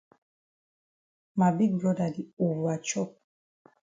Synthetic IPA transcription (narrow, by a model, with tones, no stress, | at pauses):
ma˨bi˦ɡlɔ˦da˨di˨u˨va˨t͡ʃɔ˦